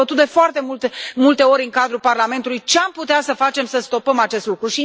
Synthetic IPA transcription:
ət̪ut̪̚d̪e̞foart̪e̞mult̪emult̪e̞o̞ɾʲɨŋkad̪ɾulparlame̞nt̪ulujt͡ʃe̞amput̪easəfat͡ʃe̞msəst̪o̞pəmat͡ʃe̞st̪lukɾuʃi

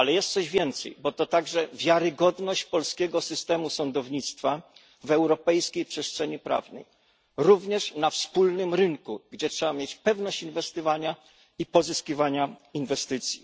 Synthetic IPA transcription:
alɛjɛst̪sɔʑvʲjɛnt̪sɛ̰jbɔt̪ɔt̪aɡʐɛvʲjaɾɘɡɔd̪nɔɕt͡ɕpɔlskʲɛɡɔsɘst̪ɛmusɔnd̪ɔvɲit̪st̪fa | vɛwɾɔpɛjskʲejpʂɛstʂɛɲipɾa̰vnɛ̰j | ɾuvɲɛʂnafspulnɘmɾɘŋkuɡd͡ʑɛtʂɛbamjet͡ɕpɛvnɔɕt͡ɕinvɛst̪ɔvaɲa | ipɔzɘskʲivaɲainvɛst̪ɘt̪sʲji

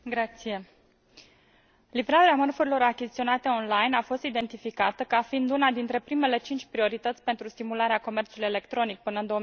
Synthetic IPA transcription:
ɡɾat̪sije̞ | livɾaɾeamərfuɾilo̞ɾakʲizit̪io̞nat̪e̞o̞nlajnafo̞st̪id̪e̞nt̪ifikat̪əkəafind̪unad̪int̪ɾe̞pɾime̞le̞t͡ʃint͡ʃʲpɾio̞ɾit̪ət̪sʲpe̞nt̪ɾust̪imulaɾeako̞me̞rt͡ʃuluje̞le̞kt̪ɾo̞nik̚pɨnəɨnd̪o̞

